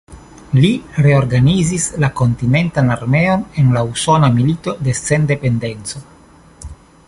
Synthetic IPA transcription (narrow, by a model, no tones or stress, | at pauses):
liɾe̞o̞ɾɡanizislako̞ntine̞ntanaɾme̞o̞ne̞nlauso̞namilito̞de̞se̞nde̞pe̞nde̞nt͡so̞